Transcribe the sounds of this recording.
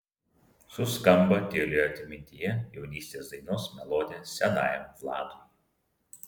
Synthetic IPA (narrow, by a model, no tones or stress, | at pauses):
sʊskɐmbɐt̪ʲɪlʲejɐt̪ʲɪmʲɪnʲt̪ʲijɛjɛʊnʲiːsʲt̪ʲeːsd̪ɐɪnoːsmʲɛlˠoːd̪ʲeːsʲɛnɑ̰ːjɛmflˠɑ̰ːd̪uː